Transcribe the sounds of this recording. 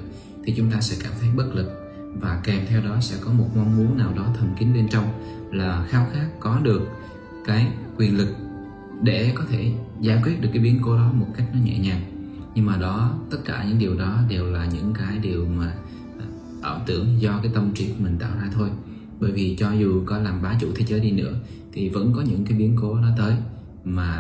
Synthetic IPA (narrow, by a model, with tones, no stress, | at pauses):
t̪ʰi˨˩t͡ɕʊ˨˦ŋ͡mt̪aː˧sɛ̰˧˥kaː˧˩mt̪ʰə˨˦jɓə˦˥t̚lɨ˨˩k̚ | vaː˨˩kɛ˨˩mt̪ʰɛ˧wɗɔ˨˦sɛ̰˧˥kɔ˨˦mo˨˩t̚ŋwa˧nmu˨˦ənaː˨˩wɗɔ˨˦t̪ʰə˨˩mkï˨˦ŋ̟le˧nt͡ɕɔ˧wŋ͡m | laː˨˩xaː˨˦wxaː˦˥kːɔ˨˦ɗɨ˨˩ək̚ | kaː˨˦jkːwi˨˩ənlɨ˨˩k̚ | ɗe˧˩kɔ˨˦t̪ʰe˧˩zaː˧˩kwi˦˥t̚ɗɨ˨˩əkːɓi˨˦ənko˧˦ɗɔ˨˦mo˨˩t̚ka˦˥jk̟̚nɔ˨˦ɲɛ̰˧˨ɲaː˨˩nɲɨ˧ŋmaː˨˩ɗɔ˨˦t̪ə˦˥t̚kaː˧˩ɲɨ̰˧˥ŋɗi˨˩əwɗɔ˨˦ɗe˨˩wlaː˨˩ɲɨ̰˧˥ŋkaː˨˦jɗi˨˩əwmaː˨˩ | ʔəː˧˩wt̪ɨ˧˩əŋzɔ˧kaː˨˦jt̪ə˧mt͡ɕi˧˦˩kmï˨˩ŋ̟t̪a̰ː˧˨wzaː˧t̪ʰo˧j | ɓə̰ː˧˩˨jvi˨˩t͡ɕɔ˧zu˨˩kɔ˨˦laː˨˩mɓaː˨˦t͡ɕṵ˧˨t̪ʰe˨˦zəː˨˦jɗi˧nɨ̰˧˥ə | t̪ʰi˨˩və̰˧˥nkɔ˨˦ɲɨ̰˧˥ŋkaː˨˦jɓi˨˦ənko˨˦ɗɔ˨˦t̪əː˨˦j | maː˨˩